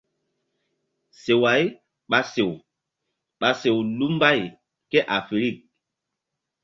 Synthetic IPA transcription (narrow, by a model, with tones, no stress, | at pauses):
se˨wa˨˦j | ɓa˨se˨w | ɓa˨se˨wlu˦mba˦˨j | kɛ˦ʔa˨fi˨ɾi˦˨k̚